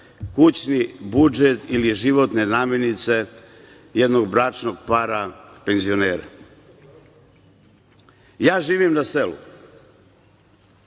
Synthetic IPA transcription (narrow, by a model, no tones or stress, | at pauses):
kut͡ɕnibud͡ʒet̪iliʒiʋo̞t̪ne̞naːmjenit̪se̞ | jed̪no̞ɡbɾaːt͡ʃno̞ɡpaːɾapenzio̞neːɾa̰ | jaːʒiːʋimnaselṵ